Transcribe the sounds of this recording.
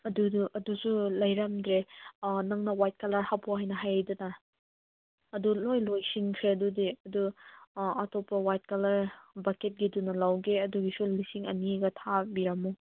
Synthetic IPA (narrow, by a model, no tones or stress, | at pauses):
ɐduduʔɐdusulɐjɾɐmdɾenɐŋnɐwajt̚kɐlɐɾhapʰɔɦajnɐɦajadɐnɐ | dulojlojsiŋkʰɾeɐdudiɐdu | ɐtʰɔpːɐwajt̚kɐlɐɾbaket̚ɡidunɐlawɡeɐduɡisulisiŋɐ̰niɡɐtʰabiɾɐmu